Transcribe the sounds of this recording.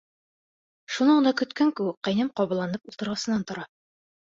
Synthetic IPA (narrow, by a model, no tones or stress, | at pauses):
ʃunɤɴnd̪ɑkɵ̆t̪kæŋkʉwɘk̚qæ̆jnɤmqɒβɤ̆lˠːɑnɤpulˠt̪ɤ̆ɾʁɑsɤ̆nːɑnt̪ŏɾɑ